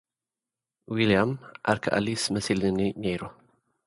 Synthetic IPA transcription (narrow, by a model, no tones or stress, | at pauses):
wilijamʔa̰ɾkʰa̰ʔa̰lismɐsilɨninɐjɾo